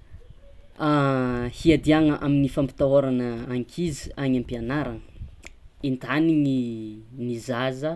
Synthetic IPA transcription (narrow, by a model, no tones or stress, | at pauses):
ahiad̪iaŋəʔaminifampi̥t̪aoɾanəːŋkʰizi̥aɲampianaɾaŋə | int̪aniŋinizazə